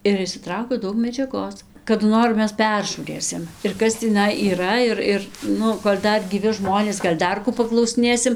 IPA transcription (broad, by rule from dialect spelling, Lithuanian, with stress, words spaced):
ɪr ɪʃʲsʲɪˈtrɐʊkʲɛʊ ˈdɐʊk mʲɛd͡ʒʲɛˈɡoːs kɐdʊ ˈnoːr ˈmʲɛs ˈpʲɛrʒuːrʲeːsʲɪm ɪr ˈkɐs tʲiːˈnɐɪ iːˈrɐ ɪr ˈɪr ˈnʊ koːlʲ ˈdɐr ɡʲiːˈʋʲɪ ˈʒmoːnʲeːs ˈɡɐlʲ ˈdɐr kuː pɐklˠɐʊsʲɪˈnʲeːsʲɪm